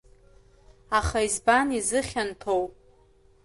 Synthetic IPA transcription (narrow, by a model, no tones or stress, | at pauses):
aχaizbanizɨχʲantʰowpʼ